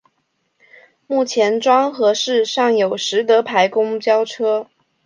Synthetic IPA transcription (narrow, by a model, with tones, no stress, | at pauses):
mu˥˩t͡ɕʰjɛ˧˥nʈ͡ʂwɑ˥ŋxɤ˧˥ʂɻ̩˥˧ʂɑ˥˩ŋjo˨˩ʊʂɻ̩˧˥t̪ɤ˧˥pʰa˧˥ɪkʊ˥ŋt͡ɕjɑ˥ʊʈ͡ʂʰɤ˥